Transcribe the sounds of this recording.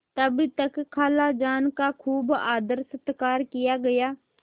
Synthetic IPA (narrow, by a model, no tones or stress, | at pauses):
t̪əbit̪əkkʰːaːlaːd͡ʒaːnkakʰuːbaːd̪əɾsət̪kaːɾkɪjaːɡəjaː